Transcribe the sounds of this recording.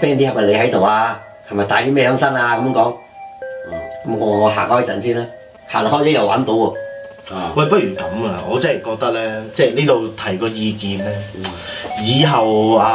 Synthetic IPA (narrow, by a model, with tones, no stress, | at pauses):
pɛː˥ŋt̪iː˥hɐ˨p̚wɐ˨˩le˨˧jhɐ˨˥jt̪o˨waː˧ | hɐ˨˩mɐ˨jt̪aː˨˧jt̪i˥mɛː˥jœː˨˥ŋsɐ˥ŋaː˧kɐ˧˦mjŋkɔː˨˥ŋ˨ | kɐ˨˦mŋɔː˨˧ŋɔ˨˧ɦa̰ː˨˩ŋhɔː˥˩jt͡sɐ̰˨˩nsiː˥nlɛː˥ | haː˨˩lɔ˨khɔː˥jlɛ˥jɐ˨wa̰ː˨˥nt̪o˨˥wɔ˧ | wɐ˨jpɐ˥t̚jyː˨˩kɐ˨˥mɐ˧ŋɔ̰ː˨˧t͡sɐ˥hɛ˨jkɔː˧k̚t̪ɐ˥k̚lɛː˥t͡sɛː˥˩jni˥t̪o˨˧wt̪ʰɐ˨˩jkɔː˧jiː˧kiː˨nlɛː˥ | jiː˨˧ɦɐ˨waː˧